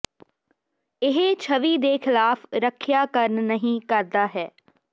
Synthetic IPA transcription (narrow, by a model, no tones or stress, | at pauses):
ɪɦet͡ʃʰəʋiːd̪eːkʰɪlaːfɾəkʰːjaːkəɾnnəɦĩːkəɾd̪aːɦɛː